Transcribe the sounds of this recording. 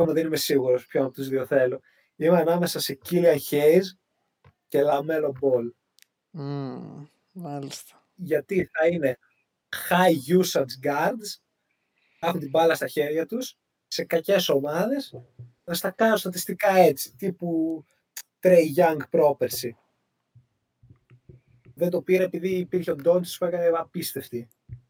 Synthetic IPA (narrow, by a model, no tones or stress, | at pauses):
omɐðenime̞siɣuɾo̞spçonɐt̪uzðio̞θe̞lo | imeɐnɐme̞sɐse̞ciliɐnçejz | ce̞lɐme̞lo̞bo̞l | mɐlist̪ɐ̥ | ʝɐt̪iθɐine̞ | xɐjʝusɐnsɡɐɾd̪s | exunt̪ibɐlɐst̪ɐçe̞ɾʝɐt̪us | se̞kɐce̞so̞mɐðe̞s | nɐst̪ɐkɐnost̪ɐt̪ist̪ikɐe̞t͡si̥t̪ipu | t̪ɾejʝɐŋɡpɾo̞peɾsi | ðent̪o̞piɾɐe̞piðiːpiɾçeo̞d̪o̞nt̪spuekɐneɐpist̪e̞ft̪i